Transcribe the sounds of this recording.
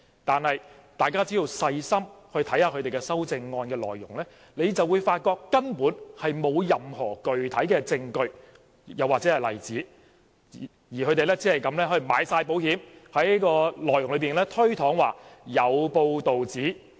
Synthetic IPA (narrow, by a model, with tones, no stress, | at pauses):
t̪aː˨nhɐ˨j | t̪aː˨˩jkaː˥t͡si˨˥i˧wsɐ˧jsɐ˥mhɵ˧ɥt̪ʰɐ˨˥jhaː˧kʰɵ˨˧t̪e˨˩jkɛː˧sɐ˥wt͡sɪ˧ŋːɔː˧nkɛː˧lɔ̰ː˨jːʊ˨˩ŋlɛː˥ | le˨˧jt͡sɐ˨wuː˨˧jfaː˧t̚kɔː˧kːɐ˥npuː˨˥nhɐ˨jmo˨˧wjɐ˨mhɔː˨˩kɵ˨ɥt̪ʰɐ˨˥jkɛː˧t͡sɪ˧ŋkɵ˧ɥ | jɐ˨waː˨k̚t͡sɛː˨˥hɐ˨˩jlɐ˨˩jt͡siː˨˥˨ | jiː˨˩kʰɵ˨˧˥t̪e˨jlɛː˥t͡siː˨˥hɐ˨jkɐ˨˧˥mlɛː˥hɵ˧ɥma̰ː˨˧jsaː˧jpo˨˥whiː˨˥mhɐ˨˥jni˥kɔː˧lɔː˨˩jʊ˨˩ŋlɵ˨˧piː˨˩nlɛː˥t̪ʰɵ˥ɥt̪ʰɔː˨˥ŋwaː˨jɐ˨˧wpo˧wt̪o˨wt͡siː˨˥